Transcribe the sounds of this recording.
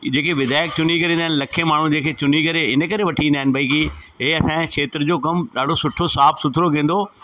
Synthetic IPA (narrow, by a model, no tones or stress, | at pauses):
d͡ʑeːkeʋɪd̪aːjək̚t͡ɕʊn̤ikɐɾĩːnd̪aɦɪnɪlɐkʰemaːɳ̤ũd͡ʑẽːkʰet͡ɕʊn̤ikɐɾeɪnə̆kɐɾeʋɐʈʰĩːnd̪aːɦɪnɪbʱɐiki | ɦeɐsãʃeːt̪ɾəd͡ʑoːkɐmɗaːɖʱosʊʈʰosaːpsʊt̪ʰɪɾokẽːn̆d̪o